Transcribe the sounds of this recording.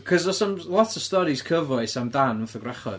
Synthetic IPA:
kʰɔzɔsəmlˠɔtʰə̥stɔɾiskʰəvɔɨsamdanʊnθəɡraχɔ̰

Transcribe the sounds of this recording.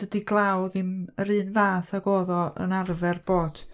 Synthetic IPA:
d̥ədiɡlˠawðɨməɾɨːnvaːθaɡoːðɔʔə̰narvɛrb̥oːd̥

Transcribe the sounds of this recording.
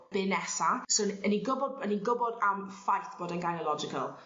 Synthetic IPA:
b̥eːnɛsasoəniɡəbɔdəniɡʊbɔdamfajθb̥ɔdanɡajnəlɔd͡ʒɪkʰəlˠ

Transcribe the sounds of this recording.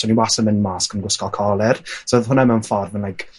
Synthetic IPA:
ɔniwasəmɪnmaskənɡʊskɔlˠkʰɔːlˠɛrsəðhʊnɛmɛnfɔrvənlajkʰ

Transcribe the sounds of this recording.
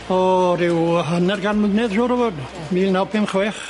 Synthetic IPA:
ɔɾɪwɦənɛrɡanmʊdnɛðʃʊːɾəvɔd | miːlˠnawpʰɪmχwɛːχ

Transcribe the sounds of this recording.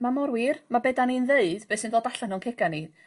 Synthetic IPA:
mamɔɾwɪrmabɛdaninðeɨd̥bɛsɨndoːdaɬanɔnkʰɛɡani

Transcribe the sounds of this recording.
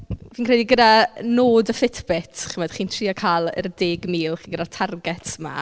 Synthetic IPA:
viːnkʰrɛdiɡədanoːdəfɪtʰbɪtʰχəmɛd̥χiːntʰriːakʰaːlˠə̰rdeːɡmiːlˠχiːnɡədatʰarɡɛtʰma̰

